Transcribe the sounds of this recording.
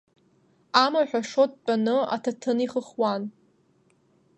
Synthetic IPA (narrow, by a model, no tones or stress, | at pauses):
amaħʷᶣaʂot̚ʼt͡pʼanɨa̰tʰatʰɨniχəχwan